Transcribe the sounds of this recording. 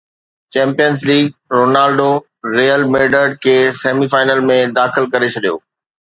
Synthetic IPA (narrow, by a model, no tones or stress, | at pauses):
t͡ɕɛ̃ːmpijənzliːɡɾoːnaːlɖo | ɾeːəlmeːɖəɖ̚kʰeːseːmifaːɪnəlmẽd̪aːxɪlkɐɾet͡ɕʰɐɗijo̰ː